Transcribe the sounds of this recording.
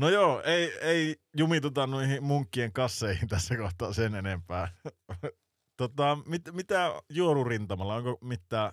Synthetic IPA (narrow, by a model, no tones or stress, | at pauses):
nojoːeˑieijumit̪ut̪ɑnnuihimmuŋkːieŋkɑsːeˑihint̪æsːækoht̪ˑɑːsenenempæː | t̪ot̪ɑmit̪mit̪æjuolurint̪ɑmɑlːɑoŋkomit̪ːæː